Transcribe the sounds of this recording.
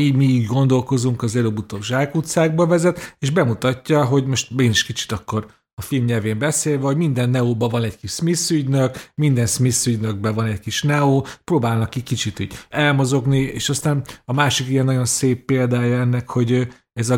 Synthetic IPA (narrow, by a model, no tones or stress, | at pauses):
iːɟmiːɡɡo̞nd̪o̞lko̞zuŋkɒzɛlobut̪oɡʒaːkut̪saːɡ̚bɒvɛzɛt̪eːʒbɛmut̪ɒcːɒɦo̞ɟmo̞ʃt̪mɛɡiniʃkit͡ʃi̥t̪ɒkːo̞r | ɒfilmɲɛlveːmbɛseːlvɛɦo̞ɟmind̪ɛnːɛoːbɒvɒnɛckiʃsmisyɟnøkmind̪ɛnsmisyɟnøɡ̚bɛvɒnɛckiʃnɛoːpɾoːbaːlnɒkikit͡ʃit̪y̰ɟɛlmozo̞ɡniḛːʃɒst̪aːnɒmaːʃikijɛnːɒɟo̞nseːpːeːld̪aːjɒɛnːɛkho̞ɟ | ɛzɒ